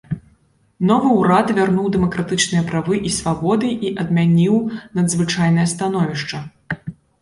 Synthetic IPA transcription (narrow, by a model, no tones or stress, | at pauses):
nɔvɨwɾat̪vʲarnuwd̪ɛmɐkɾat̪ɨt͡ʂnɨjɐpɾavɨʔisvabɔd̪ɨʔiʔɐd̪mʲanʲiwnɐd̪zvɨt͡ʂajn̪ɐjɐst̪anɔvʲiʂt͡ʂɐ